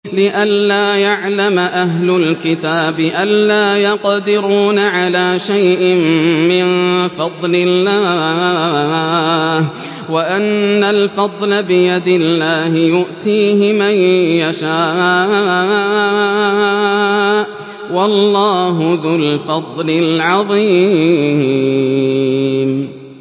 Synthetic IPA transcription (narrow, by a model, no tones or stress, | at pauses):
lɪʔalːaːjaʕlamaʔaɦlʊlkɪt̪aːbɪʔalːaːjɑqd̪ɪɾuːnaʕalaːʃajʔɪmmɪnfɑd̪ˤlɪlːaː | waʔanːalfɑd̪ˤlabɪjad̪ɪlːaːɦɪjʊʔt̪iːɦɪmajjaʃaːʔ | ʔ | wɑlːɑːɦʊðʊlfɑd̪ˤlɪlʕɑðˤiː | m